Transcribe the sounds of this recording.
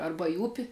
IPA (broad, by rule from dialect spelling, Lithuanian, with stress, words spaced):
ɐrbɐ iː ˈʊpʲɪ